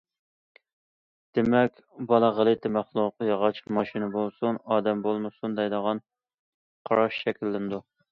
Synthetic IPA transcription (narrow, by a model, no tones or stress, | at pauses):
d̪̥emɛkʲbɑlˠəʁəlˠɨt̪ʰɪmæχlˠuqjɑʁɑt͡ʃʰmɑʃinɨbolˠsunɑːd̪ɛmbolˠmɨsund̪ɛjd̪əʁɑn | qʰɑɾɑʃʃɛkʲʰilːɪnd̪u